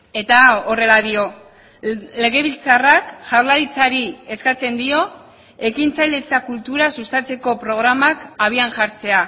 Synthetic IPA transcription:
e̞t̪aore̞laðio̞ | le̞ɣ̞e̞β̞ilt͡sarakʝawɾlaɾit͡saɾie̞skat͡se̞nd̪io̞ | e̞kint͡sajle̞t͡sakult̪uɾasust̪at͡se̞ko̞pɾo̞ɣ̞ɾamakaβ̞ianʝaɾt͡se̞a

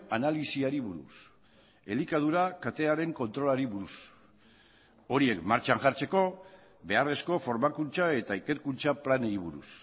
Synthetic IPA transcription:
analisiaɾiβuɾṵs | e̞likað̞uɾakat̪e̞aɾe̞ŋko̞nt̪ɾo̞laɾiβuɾus | o̞ɾie̞kmaɾt͡ʃaŋʝaɾt͡se̞ko̞ | be̞are̞sko̞fo̞ɾmakunt͡sae̞t̪aike̞ɾkunt͡saplaneɾiβ̞uɾṵs

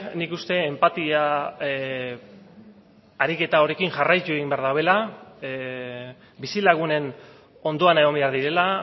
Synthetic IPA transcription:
nikust̪e̞ːmpat̪ia | aɾike̞t̪ao̞ɾe̞kiŋʝarajt͡ʃueɣimbeaɾðawe̞la | bisilaɣ̞une̞n | o̞nd̪o̞anaeɣo̞mbe̞aɾðiɾe̞la

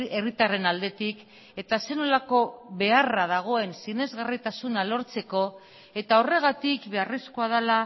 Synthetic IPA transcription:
erit̪are̞nald̪e̞t̪ik | e̞t̪ase̞no̞lako̞βe̞arað̞aɣ̞o̞e̞nsine̞zɣarit̪asunalo̞ɾt͡se̞ko̞ | e̞t̪ao̞re̞ɣ̞at̪ikbe̞areskoaðala

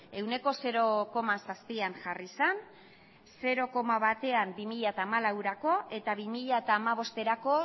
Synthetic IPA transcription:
e̞wne̞ko̞se̞ɾo̞ko̞masaspianʝarisan | se̞ɾo̞ko̞maβat̪e̞ambimiʎat̪aːmalawɾako̞ʔe̞t̪aβimiʎaet̪aːmaβ̞o̞st̪e̞ɾako̞

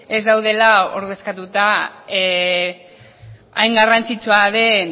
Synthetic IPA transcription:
e̞zd̪awð̞e̞lao̞ɾð̞e̞skat̪ut̪a | ajŋɡarant͡sit͡suaðe̞n

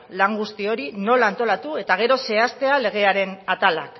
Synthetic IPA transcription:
laŋɡust̪io̞ɾino̞laːnt̪o̞lat̪ue̞t̪aɣ̞e̞ɾo̞se̞ast̪e̞ale̞ɣ̞e̞aɾe̞nat̪ala̰k

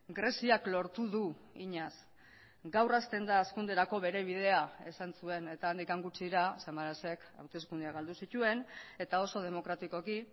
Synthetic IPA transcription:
ɡɾe̞siaklo̞ɾt̪uðu | iɲas | ɡawrast̪e̞nd̪aːskund̪e̞ɾako̞βe̞ɾe̞β̞iðe̞ae̞sansue̞ne̞t̪aːnd̪ikaŋɡut͡siɾasemaɾase̞ka̰wt̪e̞skund̪eaɣald̪usit̪ue̞ne̞t̪ao̞so̞ð̞e̞mo̞kɾat̪iko̞ki

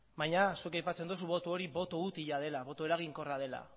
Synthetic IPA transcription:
βajɲasuekajpat͡se̞nd̪os̬uβo̞t̪uo̞ɾiβo̞t̪out̪iʎað̞e̞laβo̞t̪oe̞ɾaɣ̞iŋko̞raðe̞la̰

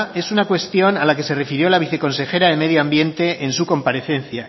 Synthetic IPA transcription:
e̞sunakwe̞st̪jo̞nalake̞se̞re̞fiɾjo̞laβ̞iθe̞ko̞nse̞xe̞ɾaðe̞með̞joambje̞nt̪e̞ʔensuko̞mpaɾe̞θe̞nθja

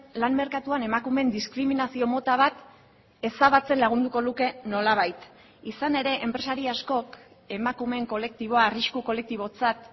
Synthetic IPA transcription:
lanme̞ɾkat̪uane̞makume̞nd̪iskɾiminasio̞mo̞t̪aβ̞at̪ | e̞saβat͡se̞nlaɣ̞und̪uko̞luke̞no̞laβ̞ajt̪ | isane̞ɾe̞ʔempɾe̞saɾiasko̞k | e̞makume̞ŋko̞le̞k̚t̪iβ̞o̞aːriʃkuko̞le̞k̚t̪iβ̞o̞t͡sat̪

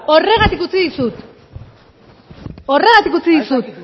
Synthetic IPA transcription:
o̞re̞ɣat̪ikut͡siðisut̪ | o̞re̞ɣat̪ikut͡siðisut̪

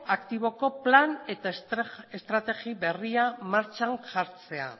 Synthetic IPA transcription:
akt̪iβ̞o̞ko̞plane̞t̪aest̪ɾat̪e̞ɣiβe̞riamaɾt͡ʃanʝaɾt͡se̞a̰

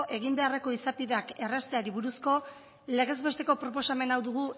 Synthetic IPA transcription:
ʔe̞ɣ̞imbe̞areko̞isapiðe̞ake̞rast̪e̞aɾiβuɾusko̞ | leɣe̞zβe̞st̪e̞ko̞pɾo̞po̞same̞nawðuɣ̞u

